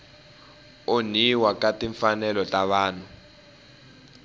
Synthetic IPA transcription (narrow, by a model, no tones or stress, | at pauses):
oniwakatiɱfanɛlɔtʼaβaːn̤u